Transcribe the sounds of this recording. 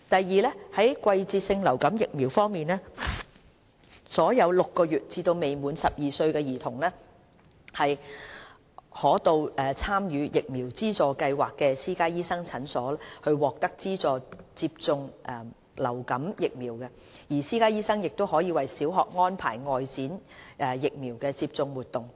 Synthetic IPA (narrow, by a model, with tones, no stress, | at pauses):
t̪ɐ˨jːiː˨lɛː˥hɐ˨˥jkʷɐ˧jt͡siː˧t̚sɪ˧ŋlɐ˨˩wkɐ˨˥mjɪ˨k̚miː˨˩wfɔː˥ŋmiː˨nlɛː˥ | sɔː˨˥jɐ˨˧wlʊ˨kːɔː˧jyː˨t̚t͡siː˧t̪o˧wme˨jmuː˨˧nsɐ˨p̚jiː˨sɵ˧ɥkɛː˧jiː˨˩t̪ʰʊ˨˩ŋlɛ˥ | hɐ˨j | hɔː˨˥t̪o˧wʔɛː˨t͡sʰaː˥mjyː˨˧jɪ˨k̚miː˨˩wt͡siː˥t͡sɔː˨kɐ˧jwaː˨kːɛː˧siː˥kaː˥jiː˥sɐ˥ŋt͡sʰɐ˨˥nsɔː˨˥lːhɵ˧ɥwɔː˨k̚t̪ɐ˥k̚t͡siː˥t͡sɔː˨t͡siː˧p̚t͡sʊ˧ŋʔɛ˨˩ | lɐ˨˩wkɐ˨˥mjɪ˨k̚miː˨˩wkɛ˧ | jiː˨˩siː˥kaː˥jiː˥sɐ˥ŋjɪ˨k̚t̪o˥wɦɔː˨˥jiː˨˧wɐ˨jsiː˨˥wɦɔː˨k̚ŋɔː˥npʰa̰ː˨˩jŋɔː˨jt͡siː˨˥nɛː˨˩jɪ˨k̚miː˨˩wkɛː˧t͡siː˧p̚t͡sʊ˧ŋwuː˨t̪̚ʊ˨ŋ